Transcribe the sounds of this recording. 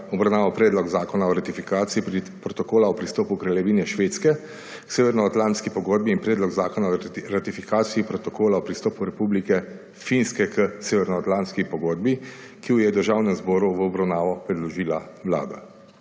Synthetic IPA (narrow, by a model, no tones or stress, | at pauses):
ɔbɾawnaːʋapɾɛːd̪lɔɡzaːkɔnaɔɾat̪ifikaːt̪siip | pɾɔt̪ɔkoːlaɔpɾist̪ɔːpukɾɛljɛʋiːnɛʃʋeːt̪skɛ | kseːʋɛɾnɔat̪lant̪skipɔɡoːd̪̚biːnpɾɛːd̪lɔɡzaːkɔnaɔɾat̪ifikaːt̪siːpɾɔt̪ɔkʰoːlaɔpɾist̪ɔːpuɾɛpublikɛ | finskɛkʰəseːʋɛɾnɔat̪lant̪skipɔɡoːd̪̚bi | kiujɛd̪əɾʒaːwnɛmzbɔːɾuʋəɔbɾawnaːʋɔpɾɛd̪lɔʒiːlawla̰ːd̪a̰